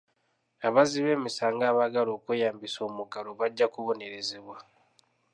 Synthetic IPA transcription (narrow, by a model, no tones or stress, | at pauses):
aβaziβe̞ːmisaːŋɡaːβaɡalo̞ːkwe̞ːjaːmbiso̞ːmuɡaloβaɟːakuβo̞ne̞ɾe̞zeβwa